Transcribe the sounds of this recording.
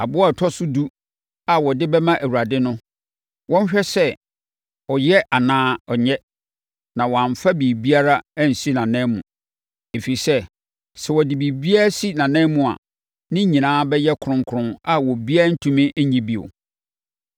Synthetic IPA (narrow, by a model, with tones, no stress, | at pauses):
a̰˨bʊ˦a˦˨tʰɔ˦sʊ˦du˦ | a˨wɔ˨dɪ˦bɛ˦mã˦ʔæ˨wu˨a˨dɪ˦nʊ̃˦ | wɔ̃˦n˦ɕᶣɛ˦sɛ˦ | ɔ˨jɛ˦ʔa˨nãː˦ɔ˨ɲɛ˦ | nã˨wɔ˨ã˨ɱ˨fa˦biː˨bi˦a˦ɾa˦æ˦˨n̩˨si˦nã˨nɛ̃˦mũ˨ | e˨fi˨i˨sɛ˦ | sɛ˨wɔ˨dɪ˨bi˨bi˦a˦ɾa˦si˦nã˨nɛ̃˦mũ˨a̰˨ | nɪ̃˦ɲĩ˨nãː˦bɛ˦jɛ˦kʰɾʊ̃˦ŋ˦kʰʊ˦ɾʊ̃˦na˨wɔ˨bi˦a˦n̩˦tʰũ˦mĩ˦ʔɲĩ˦bi˦o̰˨